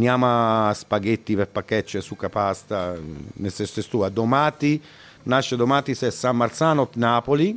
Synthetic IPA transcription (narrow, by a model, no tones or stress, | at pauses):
njaːmaːspaɡet̪ːipeɾpakːɛt͡ʃːesukːapast̪anesɛst̪est̪uːad̪omaːt̪i | naʃːed̪omaːt̪isɛsːamːaɾt̪saːnot̪naːpoli